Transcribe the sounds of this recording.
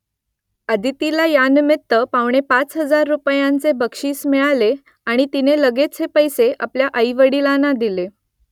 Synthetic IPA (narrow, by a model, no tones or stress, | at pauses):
əd̪ʱit̪ilajanmet̪ːəpaʋɳ̃epat͡sɦəd͡zaɾːupjãnt͡sebəkʂiːsmɛɭale | aɽ̃it̪ineləɡet͡sɦepəjseʔa̰pljaʔəjʋəɽilanad̪ile